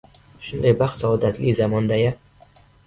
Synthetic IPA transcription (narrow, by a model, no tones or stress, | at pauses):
ʃʊnd̪ajbaχt̪saɒd̪at̪lizamɒnd̪aja